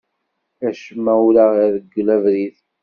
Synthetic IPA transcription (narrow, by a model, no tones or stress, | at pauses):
æʃəmːæwulaʁiðəɡːlævɾiθ